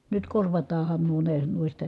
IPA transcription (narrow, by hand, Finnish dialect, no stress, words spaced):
nyt korʋɑtɑːhɑn nuo ne nuistɑ